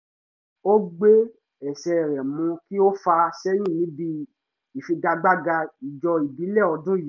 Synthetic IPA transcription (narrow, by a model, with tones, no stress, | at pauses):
o˦ɡ͡be˦ | ɛ˨ʃɛ˧˨ɾɛ˨mũ˧ki˦o˦fa˧ʃɛ˦j̃ĩ˦˨nĩ˨˦bi˧ | i˨fi˧ɡa˧ɡ͡ba˦ɡa˧i˨d͡ʒɔ˧i˨bi˨˦lɛ˦˨ɔ˧dũ˦ji˨˦